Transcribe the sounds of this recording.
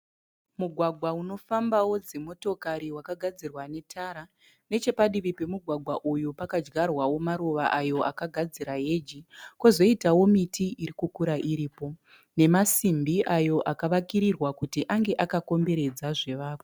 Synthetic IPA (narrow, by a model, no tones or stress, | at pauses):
muɡʱwaɡʱwauno̞fambawo̞d͡zemo̞to̞kaɾiwakaɡʱad͡zirwane̞tʰaɾa | ne̞t͡ʃe̞paɗiʋipe̞muɡʱwaɡʱwaʔujupakad͡ʒɡarwawo̞maɾuʋaʔajo̞ʔakaɡʱad͡ziɾaɦe̞d͡ʒikozo̞itawo̞mitʰiʔiɾikukuɾaʔiɾiːpo̞ | ne̞masimbiʔajo̞ʔakaʋakiɾirwakutiʔaŋɡe̞ʔakako̞mbe̞ɾe̞d͡zaʐe̞ʋaːko